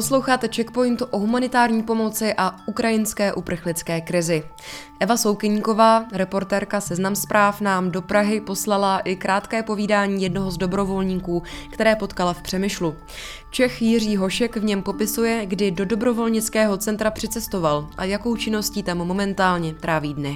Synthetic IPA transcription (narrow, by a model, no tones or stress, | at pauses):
poslo̞wxaːt̪ɛt͡ʃɛkpo̞jɪnt̪uʔo̞ɦumanɪt̪aːɾɲiːpo̞mo̞t͡sɪʔaʔukɾajɪnskɛːʔupr̩xlɪt͡skɛːkɾɪzɪ | ʔɛvaso̞wkɪɲko̞vaːɾɛpo̞ɾt̪ɛːɾkasɛznamspɾaːfnaːmdo̞pɾaɦɪpo̞slalaʔɪkɾaːt̪kɛːpo̞viːdaːɲiːjɛdno̞ɦo̞zdo̞bɾo̞vo̞lɲiːkuːkt̪ɛɾɛːpo̞t̪kalafpr̝̥ɛmɪʃlu | t͡ʃɛxjɪr̝iːɦo̞ʃɛkvɲɛmpo̞pɪsujɛɡdɪdo̞do̞bɾo̞vo̞lɲɪt͡skɛːɦo̞t͡sɛnt̪ɾapr̝̥ɪt͡sɛst̪o̞valʔajako̞wt͡ʃɪno̞sciːt̪amːo̞mɛnt̪aːlɲɛt̪ɾaːviːdnɛ